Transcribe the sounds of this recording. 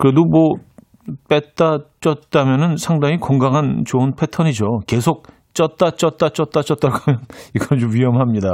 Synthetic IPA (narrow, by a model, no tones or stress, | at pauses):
kɯɾe̞domʌ | p͈et͈at͡ɕ͈ʌt̚t͈amjʌnɯnsʰaŋdaŋikʌŋɡaŋɦant͡ɕoɯnpʰe̞tʰʌɲid͡ʑoke̞sʰok̚ | t͡ɕ͈ʌt͈at͡ɕ͈ʌt͈at͡ɕ͈ʌt͈at͡ɕ͈ʌt͈̚aɡamjʌniɡʌt͡ɕomɥiɦʌmamɲida